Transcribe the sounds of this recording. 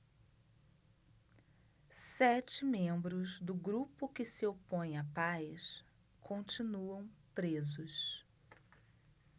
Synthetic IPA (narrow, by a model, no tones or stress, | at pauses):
sɛt͡ʃɪmẽmbɾʊzd̪ʊɡɾupʊkɪsɪopõj̃apajs | kʰõt͡ʃinuɐ̃w̃pɾezʊs